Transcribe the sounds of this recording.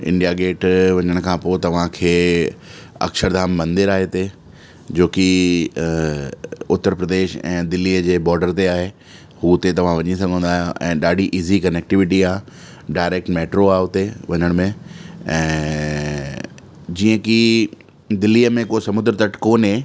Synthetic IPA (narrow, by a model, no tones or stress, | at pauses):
ɪ̰̃ɳɖijaɡeːʈʋɐɲəɽ̃ʊkʰãːpoːt̪ɐʋ̤ãkʰeː | ɐ̰kʃəɾd̪aːmːɐ̃nd̪ɪɾaːɦet̪e | d͡ʑoːki | ʊt̪ːəɾpɾəd̪eːʃɛ̰̃ːd̪ɪlːiːəd͡ʑeːbɔːɾɖəɾt̪eaːɦe | hut̪et̪ɐʋ̤ãʋɐɲis̬ɐɡʱə̃nd̪aːɦjõʔɛ̰̃ːɗaːɖʱiʔiːzikɐnek̚ʈɪʋɪʈiaː | ɖaːɪɾeːk̚ʈmeːʈɾoaːɦʊt̪eʋɐɲəɽ̃mẽɛ̃ː | d͡ʑiːə̃ki | d̪ɪlːiːəmẽkosɐmʊd̪ɾət̪ɐʈkoːnẽ